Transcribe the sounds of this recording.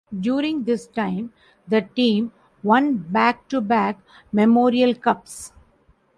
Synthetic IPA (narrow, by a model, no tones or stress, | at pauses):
ɖjuːɾɪ̃ŋd̪ɪsʈãɪ̃m | d̪əʈĩːm | ʋʌ̃nʈbæːk̚ʈubæːk | mɛmoːɾiəlkʌps